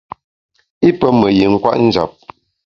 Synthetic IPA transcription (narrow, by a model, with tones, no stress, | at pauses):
i˦pə˦mə˨ji˨ŋ̩˦kwa̰˦ʔn̩˦d͡ʒa̰˨p̚